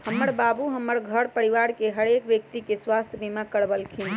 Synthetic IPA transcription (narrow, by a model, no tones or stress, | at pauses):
həmːəɾbabuɦəmːəɾɡʱəɽpəɾiʋaɾkeɦəɾekʋjək̚t̪ikeswast̪ʰjəbimakəɽbəlkʰin